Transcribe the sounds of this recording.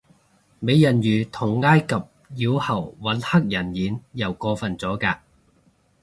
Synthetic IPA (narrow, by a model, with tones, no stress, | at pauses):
me˨˧jɐ˨˩njyː˨˩t̪ʰʊ˨˩ŋːaː˥jkɐ˨p̚ | jiː˨˧whɐ˨˩wwɐ˨˥nhɐ˥k̚jɐ˨˩njiː˨˥njɐ˨˩wkɔː˧fɐ˨nt͡sɔː˨˥kaː˧